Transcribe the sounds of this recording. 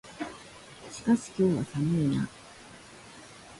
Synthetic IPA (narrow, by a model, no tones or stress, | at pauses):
ɕi̥kaɕi̥kʲo̞ːβasanoina̰